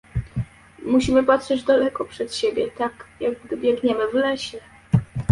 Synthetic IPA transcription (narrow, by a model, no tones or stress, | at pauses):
muɕimɘpatʂɛd͡ʑd̪alɛkɔpʂɛt̪ɕebʲjɛt̪akjaɡɡd̪ɘbʲjɛɡɲɛmɘvlɛɕɛ